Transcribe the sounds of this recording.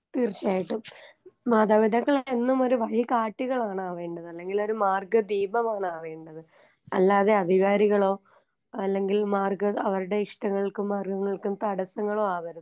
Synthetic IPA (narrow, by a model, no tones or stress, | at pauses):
t̪iːrt͡ɕaːjiʈːummaːd̪ʱaːʋid̪ɐkːɐɭenːumo̞ɾuʋɐɻikaːʈːiɣɐɭaːɳaːʋe̞ːɳɖɐðɨɐlːe̞ŋɡilo̞ɾumaːrɡɐd̪iːbɐmaːɳaːʋe̞ːɳɖɐðɨ | ɐlːaːðe̞ɐd̪ʱiɣaːɾiɣɐɭo̞ː | ɐlːe̞ŋɡilmaːrɡɐɐʋɐɾuɽe̞iʂʈɐŋːɐɭilkumːaːrɡɐŋːɐɭkumt̪ɐɽɐsɐŋːɐɭo̞ːaːʋɐɾu